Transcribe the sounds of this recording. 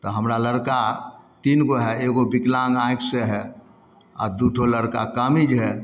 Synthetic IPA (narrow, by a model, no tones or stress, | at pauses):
t̪ɔɦəmɾaləɾka | t̪inɡoɦɛeɡobiklãŋɡãjkseɦɛ | a̰d̪uʈʰoləɾkakamid͡ʒɦɛ